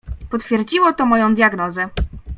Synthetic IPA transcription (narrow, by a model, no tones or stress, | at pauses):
pɔt̪fʲjɛɾd͡ʑiwɔt̪ɔmɔjɔ̃w̃d̪jaɡnɔzɛ